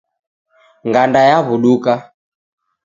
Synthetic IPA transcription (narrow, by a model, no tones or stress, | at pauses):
ŋɡandajaβuɗuka